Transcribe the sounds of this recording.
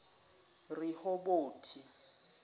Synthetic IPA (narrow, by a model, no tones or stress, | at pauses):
rihɔboːtʰi